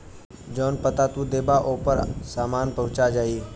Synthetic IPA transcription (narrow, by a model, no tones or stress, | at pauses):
d͡ʒoːnpət̪at̪uːd̪eːbaːʔoːpəɾsaːmaːnpɐɦʊ̃t͡ʃad͡ʒaːiː